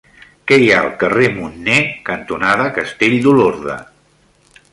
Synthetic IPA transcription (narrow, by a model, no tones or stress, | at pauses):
kɛjaəlˠkəremunːɛkənt̪unaðəkəst̪eʎd̪uloɾðə̰